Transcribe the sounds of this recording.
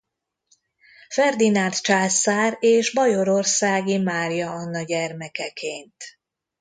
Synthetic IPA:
fɛrd̪inant̪t͡ʃaːsaːɾeːʒbɒjo̞ɾo̞rsaːɡimaːrjɒɒnːɒɟɛrmɛkɛkʰeːnt̪

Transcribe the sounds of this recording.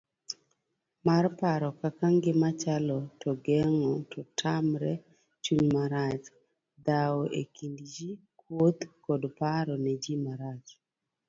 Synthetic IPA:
marpaɾɔkakaŋɡɪmat͡ʃalɔtʰɔɡɛŋɔtɔtʰamɾɛ | t͡ʃuɲmaɾat͡ʃ | d̪awɔʔekindd͡ʒi | kʰwot̪kɔdpaɾɔned͡ʒimaɾat͡ʃ

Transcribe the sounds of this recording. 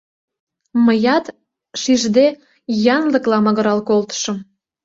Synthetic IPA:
məjɑt̪ | ʃiʒd̪e | jɑnlə̆klɑmɤ̆ɣə̆ɾɑlkolt̪ə̥ʃə̆m

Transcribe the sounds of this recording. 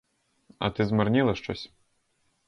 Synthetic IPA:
ɐ̰t̪ɪzmarnʲilˠɐʃt͡ʃɔsʲ

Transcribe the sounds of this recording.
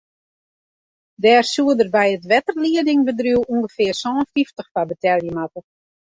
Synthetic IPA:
dɛːrsuədərbɛjətʋɛtərliədɪŋbədruwuŋɡəfɪərsɔːnfiftəχfabətɛlˠjəmatə

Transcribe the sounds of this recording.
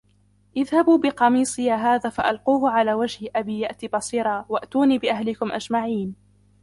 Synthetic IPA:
ʔɪðhabuːbɪqɑmiːsˤɨjaːɦaːðaːfaʔalquːhʊʕalaːwad͡ʒhʔabiːjaʔt̪iːbɑsˤiːɾˤɑːwaʔt̪uːniːbɪʔaɦlɪkʊmʔa̰d͡ʒmaʕiːn

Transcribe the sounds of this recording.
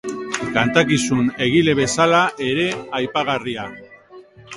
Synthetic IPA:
kant̪akisune̞ɣ̞ile̞βe̞salaʔe̞ɾe̞ajpaɣ̞aria

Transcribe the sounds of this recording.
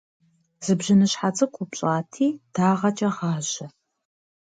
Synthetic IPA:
z̥ɨbʒɪnɨɕħat͡sʼɐkʷʰʼʊpɕʼaːtʰiːd̥aːʁɐt͡ʃʼɐʁɑːʑɐ

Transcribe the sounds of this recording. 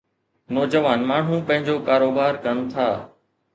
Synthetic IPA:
nɔːd͡ʑəʋaːnmaːɳ̤ũːpɐ̃ɦɪ̃ɲd͡ʑoːkaːɾoːbaːɾkənt̪ʰaː

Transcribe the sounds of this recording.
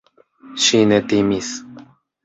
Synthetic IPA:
ʃinet̪imis

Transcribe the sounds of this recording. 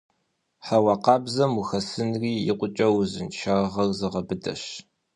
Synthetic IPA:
ħawɑqɑːbzɐmuxɐsɨnriːjɪ̰qʷʊt͡ʃʼɐwzɨnʃʰaʁɐrzɨʁɐbɨdɐ̰ɕ

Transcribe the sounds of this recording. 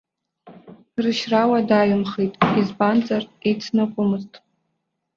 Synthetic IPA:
rɨʃrawadaɥʊmχejtʼizbant͡sʼarejt͡sʰnakʷʼʊmɨztʼ

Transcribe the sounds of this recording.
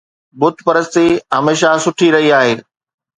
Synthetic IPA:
bʊt̪pɐɾəst̪iɐmeːʃ̬asʊʈʰiɾɐɦiaːɦeː

